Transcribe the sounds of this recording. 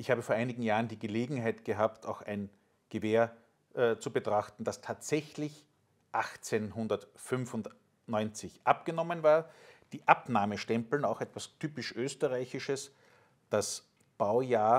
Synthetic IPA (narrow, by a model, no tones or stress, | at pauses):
ʔɪçhaːbəfoːɐʔaɪnɪɡŋ̩jaːʁəndiːɡəleːɡŋ̩ɦaɪtɡ̥əɦaːptʰaʊxæ̰ɪn | ɡ̥əveːɐ | ʔt͡subətʁ̥axtn̩d̥astʰaːtz̥ɛçlɪç | ʔaxt͡senɦʊndɐtfʏnfʊnt | nɔʏnt͡sɪçʔap̚ɡ̥ənɔmənvaːɐd̥iːʔapnaːməʃtɛmpl̩naʊxɛtv̥astʰyːpɪʃʔøːstəʁaɪçɪʃəs | d̥as | b̥aʊjaːɐ